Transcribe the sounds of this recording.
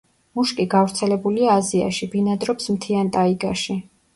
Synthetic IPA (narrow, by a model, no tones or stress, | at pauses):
muʃkʼiɡavɾt̪sʰɛlɛbuliaːzia̰ʃibinad̪ɾɔpsmt̪ʰiant̪ʼaiɡaʃi